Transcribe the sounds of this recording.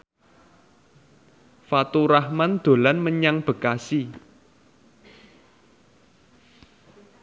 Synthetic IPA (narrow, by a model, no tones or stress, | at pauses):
fat̪uɾahmand̪̥o̤lanməɲaŋb̥ə̤kasi